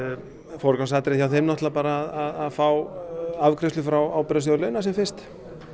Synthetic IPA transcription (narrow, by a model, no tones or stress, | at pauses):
fɔɾkansat̪ɪɾɪθjawθemnɔht̪lapaːɾaːðaðaðfawavkɾɛst̪ʏfɾawaːwpɛɾas̬ɔðlœːɥnasɛmfɪr̥st̪